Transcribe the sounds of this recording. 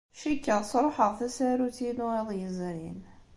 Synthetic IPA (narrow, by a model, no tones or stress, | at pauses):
ʃækːəʁsˤɾˤoħəʁθæsæɾutiluiðˤjəzɾin